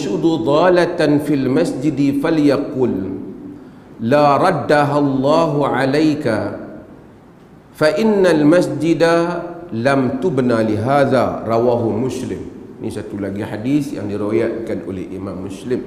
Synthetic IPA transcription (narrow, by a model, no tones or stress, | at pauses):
ʔʃʊd̪ˤud̪ˤɑːlat̪afilmasd͡ʒɪd̪faljaquːl | aːɾˤɑd̪ːaɦalˤːɑːɦʕalajka | faʔɪnːalmasd͡ʒɪd̪alamt̪ʊbnalɪɦaːða̰ɾˤɑwaːɦʊmʊslɪm | nʔḭːʃat̪ulaɡiħad̪iːθja̰nd̪iɾɪwaːjaːt̪kanʔṵlḭlʔɪ̰maːmːʊslɪm